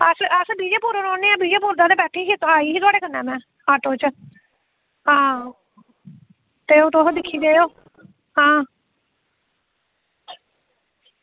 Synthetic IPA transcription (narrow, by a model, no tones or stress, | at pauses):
əsəsbiːd͡ʒeːpuːɾoːnɔːneːaːbiːd͡ʒeːpuːɾd̪ãːd̪eːbɛːʈʰːeːɦit̪aːiːiːt̪ʊaːɽeːkənːɛːmɛ̃ː | aːʈoːt͡ʃ | ɦãː | t̪eːoːt̪osd̪ɪkʰːiːd̪eːoː | ɦãː